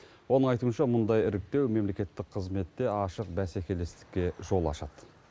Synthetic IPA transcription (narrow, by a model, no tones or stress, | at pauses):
wo̞nəɴɑjt̪uənʃɑmʊnd̪ɑjɪɾɪk̚t̪e̞wme̞mle̞kʲe̞t̪ːɪk̚qʰəzme̞t̪ːe̞ɑʃəq̚bæsækʲe̞le̞st̪ɪ̥kʲːe̞ʒo̞lˠɑ̰ʃɑd̪̥